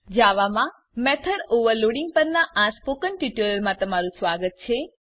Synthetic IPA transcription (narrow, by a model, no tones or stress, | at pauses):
d͡ʒaʋamã | mɛt̪ʰəɽoʋəɾloɽiŋɡ̚pəɾnaʔaspokənʈiʈuləɾmãt̪əmaɾũsʋaɡət̪̚t͡ʃʰe